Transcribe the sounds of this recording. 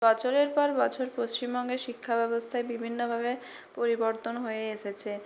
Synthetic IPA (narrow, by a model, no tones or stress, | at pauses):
bɔt͡ɕʰoɾeɾpɔɾbɔt͡ɕʰoɾpost͡ɕimbɔŋɡeʃikʰːabɛbost̪ʰaebibʱinːobʱabe | poɾiboɾt̪onɦoeeʃet͡ɕʰe